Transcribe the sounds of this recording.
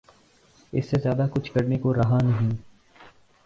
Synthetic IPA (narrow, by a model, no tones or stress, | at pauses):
ɪ̰sːezjaːd̪akʊt͡ʃʰkɐɾnekoɾɐɦanɐɦĩː